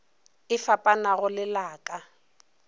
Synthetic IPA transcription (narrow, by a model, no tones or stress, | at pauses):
ɪfapʼanaɣʊlɪlaːkʼa